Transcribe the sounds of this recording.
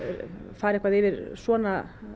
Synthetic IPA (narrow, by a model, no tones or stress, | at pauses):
faːɾɛhkvaðɪvɪɾsɔːna